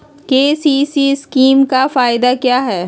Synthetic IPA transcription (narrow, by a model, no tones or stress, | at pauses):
keːsiːsiskiːmkafaːɪd̪akjaːɦɛː